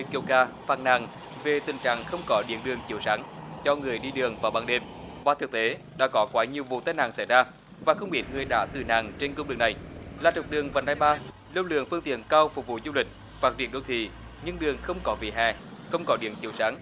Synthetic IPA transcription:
i˨˧ki˧wkaː˧faː˧˩t̚na̰ː˧˨˩ŋ | ve˨˩t̪ï˨˩ŋt͡ɕa̰ː˧˨ŋxə˧wŋ͡mkɔ˨˦ɗḭ˧˥ənɗɨ˨˩əŋt͡ɕi˨˦əwsaː˨˦ŋt͡ɕɔ˧ŋɨ˨˩əjɗi˧ɗɨ˨˩əŋvaː˨˩wɓaː˧ŋɗe˧m | vaː˨˩t̪ɨ˨˩k̚t̪e˨˦ | ɗa̰ː˧˥kɔ˨˦kwaː˨˦ɲi˨˩əwvṵ˧˨t̪aː˧jna̰ː˧˨ŋsa˧˩jzaː˧ | vaː˨˩xə˧wŋ͡mɓi˨˦˥t̚ŋɨ˨˩əjɗa̰ː˧˥t̪ɨ˨˩na̰ː˧˨˩ŋt͡ɕe˧nkə˧ŋ͡mɨ˨˩k̚na˨˩jlaː˨˩t͡ɕə˨˩wk͡p̚ɗɨ˨˩əŋvaː˨˩naː˧jɓaː˧ | lə˧wlɨ̰˧˨əŋfɨ˧əŋt̪ḭ˧˨ənkaː˧wfʊ˨˩k̚vṵ˧˨zu˧lï˨˩k̟̚ | faː˨˩vi˧˩ənɗə˧wt̪ʰḭ˧˨ | ɲɨ˧ŋɗɨ˨˩əŋxə˧wŋ͡mkɔ˨˦vḭ˧˨ɦɛ̰˧˩ | xə˧wŋ͡mkɔ˨˦ɗḭ˧˨əŋt͡ɕi˧˩əwsaː˨˦ŋ

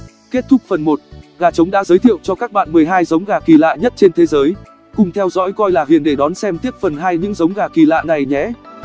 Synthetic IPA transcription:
ke˦˥t̚t̪ʰʊ˦˥k̚fə˨˩nmo˨˩t̚ɣaː˨˩t͡ɕə˨˦wŋ͡mɗa̰ː˧˥zəː˨˦jt̪ʰḭ˧˨əwt͡ɕɔ˧kaː˦˥k̚ɓa̰ː˧˨nmɨ˨˩əjɦaː˧jzə˨˦wŋ͡mɣaː˨˩ki˨˩la̰ː˧˨ɲə˦˥t̚t͡ɕe˧nt̪ʰe˨˦zəː˨˦j | kʊ˨˩ŋ͡mt̪ʰɛ˧wzɔ̰˧˥jkɔ˧jlaː˨˩ɦḭ˧˩ənɗe˧˩ɗɔ˨˦nsɛ˧mt̪i˦˥əp̚fə˨˩nɦaː˧jɲɨ̰˧˥ŋzə˨˦wŋ͡mɣaː˨˩ki˨˩la̰ː˧˨na˨˩jɲɛ̰˧˥

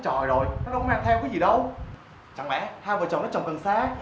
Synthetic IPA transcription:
t͡ɕɔ˧˨˩jzo˨˩jnɔ˨˦˥ɗə˧˦ŋ͡mmaː˧ŋt̪ʰɛ˧wkaː˨˦jzi˨˩ɗə˧w | t͡ɕa˨˩ŋɓɛ̰˧˥haː˧vəː˨˩t͡ɕɔ˨˩nː˨˦˥t͡ɕɔ˨˩ŋ͡mkɨ˨˩ŋsaː˧

